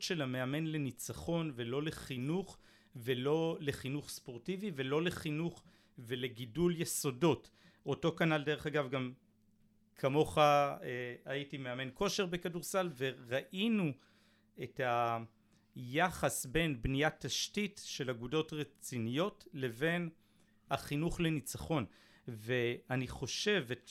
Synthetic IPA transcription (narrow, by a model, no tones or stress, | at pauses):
tʃelame̞ame̞nle̞nit͡saχo̞nve̞lo̞le̞χinuχ | velo̞le̞χinuχspo̞ʁtivive̞lo̞le̞χinuχ | ve̞le̞ɡiduljeso̞do̞t | o̞to̞kanalde̞ʁe̞χaɡavɡam | kʰamo̞χaeaitimeame̞nko̞ʃeʁbe̞kaduʁsalve̞ʁaʔinu | e̞tha | jaχasbe̞nbnijatːaʃtitʃe̞laɡudo̞tʁet͡sinijo̞tle̞ve̞n | haχinuχle̞nit͡saχo̞n | ve̞aniχo̞ʃe̞vet